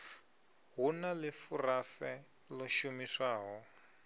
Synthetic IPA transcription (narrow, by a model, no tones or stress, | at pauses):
ɦunalɪfurasɛ | lɔʃumiswaːɦɔ